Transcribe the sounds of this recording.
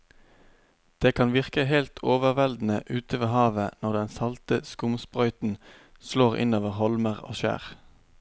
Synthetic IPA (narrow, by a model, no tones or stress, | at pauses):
d̪̥eːkʰɑnʋɪʁkəhelt̪ʰoːʋəʁʋɛld̪n̩əʔʉːt̪əʋeːhɑːʋənɔʁd̪ɛnsɑlt̪əskʊmspʁœʏt̪n̩ | sloːʁɪ̰noːʋəʁhɔlməʁo̰ːʃæ̰ːʁ